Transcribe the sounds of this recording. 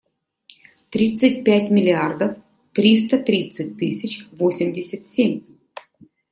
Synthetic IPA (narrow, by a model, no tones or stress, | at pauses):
t̪ɾʲit̪sɨt̚ʲpʲætʲmʲɪlʲɪard̪əf | t̪ɾʲis̬t̪ət̪ɾʲit̪sɨtʲt̪ɨsʲɪt͡ɕʲvosʲɪmʲdʲɪsʲət̪sʲemʲ